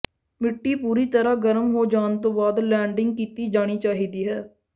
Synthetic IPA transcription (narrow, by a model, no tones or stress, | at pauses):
mɪʈːiːpuːɾiːt̪əɾaːɡəɾəmɦoːd͡ʒaːnt̪õːbaːd̪lɛːɳɖɪŋɡ̚kiːt̪iːd͡ʒaːɽ̃iːt͡ʃaːɦiːd̪iːɦɛː